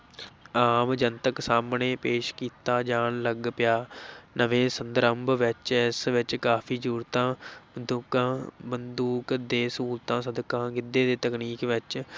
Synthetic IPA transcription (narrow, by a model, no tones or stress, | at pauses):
aːmd͡ʒənt̪əksaːmneːpeːʃkiːt̪aːd͡ʒaːnləɡpɪjaːnʔəʋẽːsənd̪əɾəmbʋɪt͡ʃɪsʋɪt͡ʃkaːpʰiːd͡ʒuːɾt̪ãːd̪ukãːbənd̪uːkd̪eːsuːlt̪ãːsəd̪kãːɡɪd̪eːd̪eːt̪əkniːkʋɪt͡ʃ